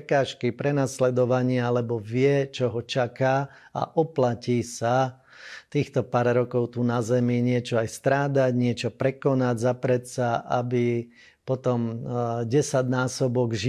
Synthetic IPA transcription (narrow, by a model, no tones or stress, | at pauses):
kaːʃkipɾɛnaslɛd̪ɔʋaɲɪaalɛbɔʋɪɛt͡ʃɔɦɔt͡ʃaka | a̰ʔɔplaciːsa | t̪iːxt̪ɔpaːɾɾɔkɔʊt̪uːnazɛmiɲɪɛt͡ʃɔajst̪ɾaːd̪aɟɲɪɛt͡ʃɔpɾɛkɔnaɟzapɾɛt̪saʔabi | pɔt̪ɔmɟɛsaɟnaːsɔbɔɡʒi